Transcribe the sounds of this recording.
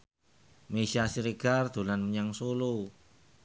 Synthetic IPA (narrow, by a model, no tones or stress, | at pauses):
meʃiasiɾeɡ̥ard̪̥o̤lanməɲaŋsolu